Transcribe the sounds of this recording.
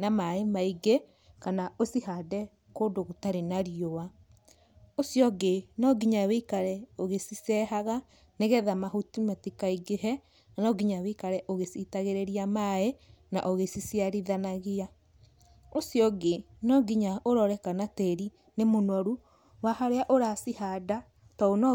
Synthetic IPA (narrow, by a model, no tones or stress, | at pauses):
namaemaiɡe | kanaosihadɛ | koːndoɣotaɾenaɾiowa | osjɔɡenɔɡiɲaweikaɾɛoɣesisɛhaɣa | neɣɛðamahutimatikaiɡeɦɛ | nanɔɡiɲawekaɾɛʔoɣesitaɣeɾeɾiamae | na̰ʔoɣesisiaɾiðanaɣia | osjɔɡe | nɔɡiɲaʔoɾɔɾɛkanatɛɾi | nemonwɔɾu | wahaɾeaʔoɾasihada | tɔonɔ